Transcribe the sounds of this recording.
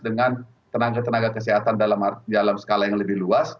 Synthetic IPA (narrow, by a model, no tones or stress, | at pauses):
dəŋan | t̪ənaɡat̪ənaɡakəseɦat̪andalamadalamsə̥kalajaŋləbɪhluas